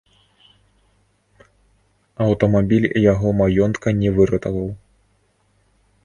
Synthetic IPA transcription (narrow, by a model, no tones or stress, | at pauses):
ɐwt̪ɐmabʲilʲjaɣɔmajɔnt̪kɐnʲɛvɨɾɐt̪ɐvɐw